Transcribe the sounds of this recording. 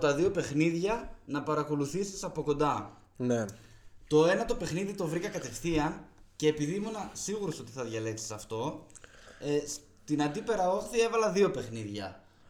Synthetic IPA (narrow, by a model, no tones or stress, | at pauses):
t̪ɐðio̞pe̞xniðʝɐnɐpɐɾɐko̞luθisi̥sɐpo̞ko̞nd̪ɐ | ne | t̪o̞e̞nɐt̪o̞pe̞xniðit̪o̞vɾikɐkɐt̪e̞fθiɐnce̞ːpiðimo̞nɐsiɣuɾo̞so̞t̪iθɐðʝɐle̞ksi̥sɐft̪o̞ | s | t̪inɐnd̪ipe̞ɾɐo̞θie̞vɐlɐðio̞pe̞xniðʝɐ